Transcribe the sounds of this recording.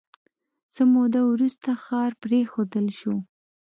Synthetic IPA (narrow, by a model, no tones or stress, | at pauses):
səmod̪awɾust̪axɑɾpɾexod̪əlʃo